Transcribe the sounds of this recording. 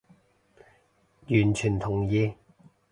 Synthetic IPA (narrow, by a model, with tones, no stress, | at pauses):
jyː˨˩nt͡ʃʰyː˨˩nt̪ʰʊ˨˩ŋjiː˨˧